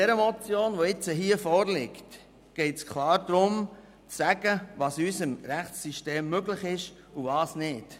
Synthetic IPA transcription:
d̥ɛɾəmɔt͡sjoːnʋɔɪt͡səɦiəfɔːɾlɪkt | ɡ̥ɛɪtskʰlɑːɾd̥̪ɾʊm | t͡sːæɡ̥əʋɑːsysəmɾæχt͡sːyʃteːmːøɡləχɪʃ | uvɑːsnɪt

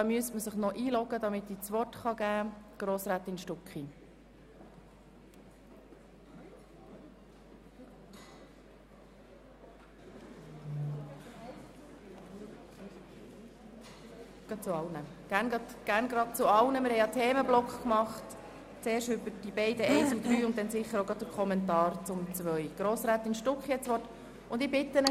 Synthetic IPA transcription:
dɑmyəstməsəχnɔʔiːlɔɡəd̪ɑmɪt̪it͡sʋɔrtχɑɡæːɡ̥ɾoːsɾæt̪ɪnʃtʊkχi | ɡ̥ɑ̥t͡sʊɑlnəɡ̥æːɾnɡɑdɡ̥æːɾnɡɾɑd̥̚t͡sʊɑlnəmɪɾhɛɪjɑtʰeːməblɔkχkmɑχt | t͡seːʃtʏbəɾd̥ibɛɪdəɛɪsud̥̪ɾyːʊnt̚tɛnsɪχːəɾoʊɡɾɑd̚dəɾkʰχɔmɛntɑːɾt͡sʊmt͡sʋœʏɡ̥ɾoːsɾæːt̪ɪnʃtʊkχjɛt͡sʋɔt | ʊnd̪ɪbɪt̪ːənə

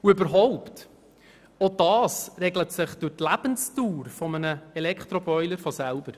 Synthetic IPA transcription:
uʏbəɾɦɔʊpt | ɔd̥ɑːsrɛɡlətsɪχd̥ʊrtlæb̥ənstuːɾfɔmənəɛlɛkχt̪ɾɔbœʏləɾfɔsælb̥əɾ

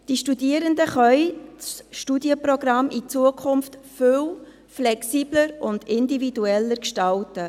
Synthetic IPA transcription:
d̥iʃtudiəɾəndəχœʏt͡sʃtudjəprɔɡɾɑmʔit͡suəkʰʊmftføw | flɛksiːbləɾʊnd̪ɪndividuɛlːəɾkʃtɑltə

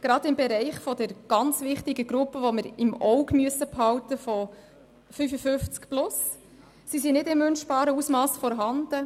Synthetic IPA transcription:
ɡ̥ɾɑdɪmbɛɾɛɪχfɔd̥əɾɡ̥ɑnt͡sʋɪχtɪɡəɡɾʊpːəʋoməɾɪmɔʊɡmyəsəphɑwtəfɔ | fyfəfʏft͡skplʊs | sisinɪdɪmːʏnʃb̥ɑːɾəusmɑːsfɔɾɦɑnd̥ə

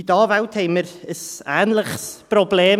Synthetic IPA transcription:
dɔːvawtʰejmərəsaːnlˠəχsb̥rɔblɛːm

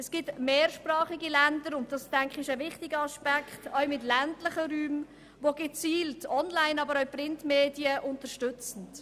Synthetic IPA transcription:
ɛsɡ̥ɪtmeːɾʃprɑːχiɡilændəɾʊntd̥ɑstɛŋkχɪʃəvɪχtɪɡəɑʃpækχtœwmɪtlæntlɪχəɾyːm | voɡɛt͡siːltʰɔnlaɪnɑbəɾœʊprɪntmeːdiəʔʊntəɾʃtʏt͡sn̩t

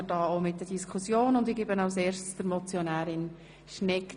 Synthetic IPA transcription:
ədɑːomɪtdəd̥iskʰχusjoːnʊndɪɡebənɑʊseːɾʃtsd̥əɾmɔt͡sjɔnæːɾɪn | ʃnɛk

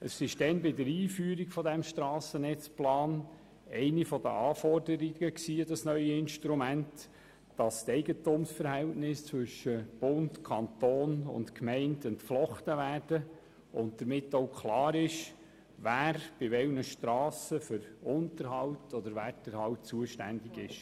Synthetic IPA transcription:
əsɪʃd̥ɛnbɪdəɾiːfyːɾiɡfɔdæmʃtɾɑːsənɛt͡splɑːn | ɛɪnifɔdə̰ʔɑːfɔrdəɾɪɡ̥əksiːdɑsnœʏəɪnʃtɾumænt | d̥ɑstɛɪɡətʊmsfəɾhɛltnɪst͡sʋʏʃəb̥ʊntkʰɑntoːnʊ̰ntkmɛɪndəntflɔχtəʋæːrd̥ə | ʊnt̚d̥əɾmɪtːowkʰlɑːɾɪʃ | væːɾb̥ɪʋɛwnəʃtɾɑːsəfʏɾʊntəɾɦɑwtʰɔd̪əɾʋæːɾdəɾhɑwtt͡suəʃtæ̰ndiɡɪʃ

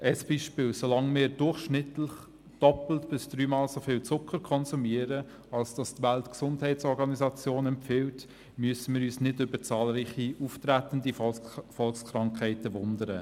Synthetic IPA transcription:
ʔəsb̥iːʃpɪːlsolɑŋmɪːɾdʊrχʃnɪtləχ | d̥ɔpl̩tb̥ɪsd̥ɾyːmɑːlsofɪːlt͡sʊkʰəɾkʰɔnsumiəɾə | ɑlsd̥ɑstʋæltksʊndhɛɪtt͡sɔɾɡɑnisɑt͡sjoːnɛmpfɪlt | myəsəmɪːɾyːsnɪdʏbəɾt͡sɑːlɾiːχiuːftɾætəndifɔlkskɾɑŋkχɛɪtəʋʊndəɾə

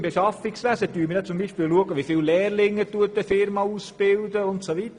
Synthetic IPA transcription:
mbɛʃɑfiksʋæsət̪yːɾmɪdɛt͡sʊmbiːʃpɪːluəɡəʋifɪllɛːrlɪŋət̪uətəfɪɾmɑuːsb̥ɪld̪əʊntsoʋit̪ə

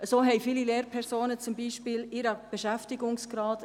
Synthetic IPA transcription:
əsoːɦɛjfilileːɾpʰɛɾsoːnət͡sʊmbiːʃpɪːlɪɾəb̥eʃæftɪɡʊŋsɡ̥ɾɑːt

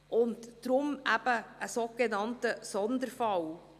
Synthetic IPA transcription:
ʔʊntd̥ɾʊmæb̥əʔəsoɡ̥enɑntəsɔnd̪əɾfɑw

